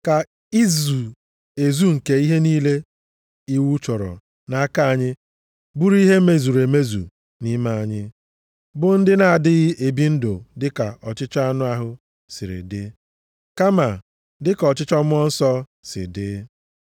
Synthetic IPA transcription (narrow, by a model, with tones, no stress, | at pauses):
ka˨ | i˦zu˨ | e˨zu˦ŋ̩˨ke˨i˦ɦe˦niː˦le˦ | i˦wu˦t͡ʃɔ˨ɾɔ̰˨ | na˨a˦ka˦a˨ɲɪ˦ | bu˦ɾi˦ɦe˦me˦˨zu˨ɾe˨me˦zṵ˨ | ni˦ma˦a˨ɲɪ˦ | bʊ˨n̩˦dɪ˦na˨a˨dɪ˦ɣɪ˦ʔe˨bi˦n̩˦dʊ˨dɪ˦ka˨ʔɔ˨t͡ʃɪ˦t͡ʃa˦a˦nʊ˦a˦ɦʊ˦ | sɪ˨ɾɪ̰˨dɪ˦ | ka˦ma˨ | dɪ˦kɔ˨t͡ʃɪ˦t͡ʃɔ˦m˦ɔ˦n̩˦sɔ˦ | sɪ̰˨dɪ˦